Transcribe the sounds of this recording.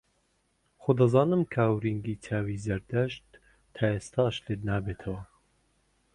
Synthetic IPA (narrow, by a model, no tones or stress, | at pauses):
xod̪ɐzɑːnɨmkʰawɾiŋɡiːtʰaːwiːzɐɾd̪ɐʃt̪ʰː | ɑːeːst̪ʰɑːʃleːd̪naːbeːt̪ʰɐwɐ